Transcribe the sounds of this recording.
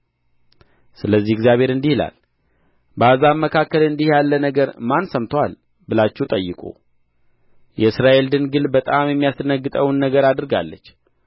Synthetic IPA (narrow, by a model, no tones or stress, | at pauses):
sɨləzːihɛɡzjaβheɾɨnd̪ihla̰l | bazamːəkʰakːəlɨnd̪ihjalːənəɡəɾmansəmt̪ʰəwal | bɨlat͡ʃːɛt̪ʼəjːɨkʼṵ | jʔɛɨsɾaʔe̞ld̪ɨnɡɨlbət̪ʼamjɛmːijast̪ʰənəɡːɨt̪ʼəwnːəɡəɾad̪ɨɾɡa̰lːət͡ʃː